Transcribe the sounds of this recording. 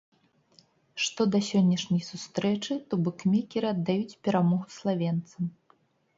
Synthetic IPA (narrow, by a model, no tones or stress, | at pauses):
ʂt̪ɔd̪ɐsʲɔnʲːɐʂnʲɐjsust̪ɾɛt͡ʂɨt̪ubɨkmʲɛkʲɛɾɨɐd̪ːajut͡sʲpʲɛɾamɔɣuslˠavʲɛnt̪sɐm